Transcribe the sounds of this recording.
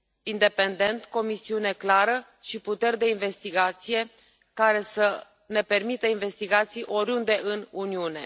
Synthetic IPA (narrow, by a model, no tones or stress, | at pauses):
ind̪e̞pe̞nd̪e̞nt̪ko̞misiune̞klaɾə | ʃiput̪e̞rd̪e̞inve̞st̪iɡat̪sije̞ | kaɾe̞sə | ne̞pe̞rmit̪əinve̞st̪iɡat̪sijʔo̞ɾund̪e̞ʔɨnuniune̞̰